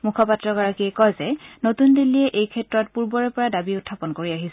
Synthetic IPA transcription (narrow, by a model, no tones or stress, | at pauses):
mukʰɔpatːɹɔɡɔɹakiɛkɔjzɛnotundilːijɛʔejkʰɛtɹɔt̚puɹbɔɹɛpɔɹadabiʊtʰːapɔnkoɹiaɦis